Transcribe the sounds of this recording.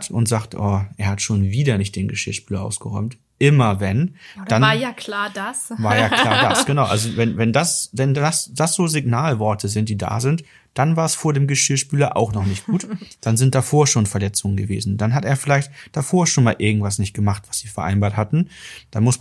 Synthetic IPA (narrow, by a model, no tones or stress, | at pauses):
tʊntz̥aːktʔɔ̰ːʔeːɐhatʃoːnviːdɐnɪçtd̥eːnɡəʃɪɐʃpyːlɐʔa̰ʊsɡ̥əʁɔ̰ʏmt | ʔɪmɐvɛn̥anjaklaːdasvaːɐjaːl̥aːɐdasɡ̥ənaʊʔa̰lzovɛnvɛndasvɛndasd̥asz̥oːzɪɡnaːlvɔɐtʰəzɪnt̚d̥iːda̰ːzɪnt | d̥anvaːɐɛsfoːɐdeːmɡəʃɪɐʃpyːlɐʔa̰ʊxnɔχnɪçtɡ̥uːtd̥anzɪnt̚d̥afoːɐʃoːnfɛɐlɛt͡sʊŋənɡəvḛːzn̩d̥anɦateːɐfɪlaɪçtd̥afoːɐʃoːnmaːlʔɪɐɡŋ̩tv̥as̬nɪçt̚ɡ̥əmaχtv̥asz̥iːfɛɐʔa̰ɪnbaːɐthatn̩d̥anmʊs